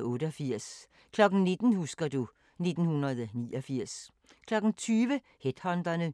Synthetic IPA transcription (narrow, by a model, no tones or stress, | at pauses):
ɔ̽ːɾəɒfiɐ̰s | kʰlɒ̽ɡ̥n̩ne̝d̥n̩husɡ̥ɐdu | ne̝d̥n̩hunɐð̞ˠnḭːɒfiɐ̰s | kʰlɒ̽ɡ̥n̩t͡sʰyːʋə | hed̥hɒnd̥ɐnə